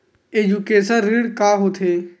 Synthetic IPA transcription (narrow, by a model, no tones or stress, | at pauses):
ed͡ʒukeːsənɾiɽkaːɦot̪ʰe